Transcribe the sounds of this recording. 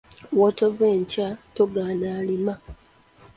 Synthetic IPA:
wotoveːɲcatoɡaːnaːlima

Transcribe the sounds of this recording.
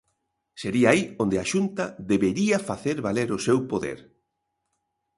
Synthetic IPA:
seɾiaaiond̪eaʃunt̪ɐðeβeɾiɐfaθeɾβaleɾʊsewpoðḛɾ

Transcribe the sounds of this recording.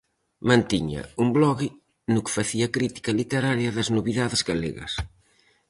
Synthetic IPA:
mɐ̃nt̪iɲɐ̰umblɔɣi | nʊkfaθiɐkɾit̪i̥kɐlit̪eɾaɾjɐðɐznuβiðaðɪzɣalḛɣɐ̰s

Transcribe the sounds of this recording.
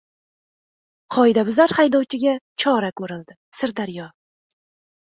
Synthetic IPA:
qʰɒjd̪abʊzaɾhajd̪ɒwt͡ʃʰɪɡʲat͡ʃʰɒɾakʰɵɾɪlˠd̪ɪ | sɪɾd̪aɾjɒ

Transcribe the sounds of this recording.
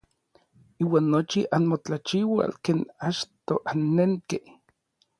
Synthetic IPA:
iːwaːnːot͡ʃiʔanmot͡ɬat͡ʃiwa̰lkeːnat͡ʃt̪oʔanːeŋke

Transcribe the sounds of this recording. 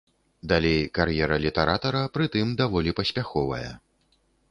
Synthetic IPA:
d̪alʲejkarjɛɾɐlʲit̪ɛɾat̪ɐɾɐpɾɨt̪ɨmd̪avɔlʲipɐsʲpʲaxɔvɐ̰jɐ̰

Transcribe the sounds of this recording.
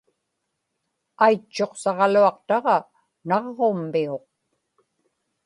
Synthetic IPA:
ajt͡ʃːo̞qsɑʁɑluɑq̚t̪ɑʁɑ | nɑʁːomːioq̚

